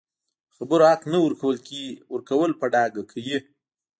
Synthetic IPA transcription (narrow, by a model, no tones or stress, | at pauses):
xabəɾoaqnawəɾkawəlkiwəɾkawəlpaɖɑɡakʰaji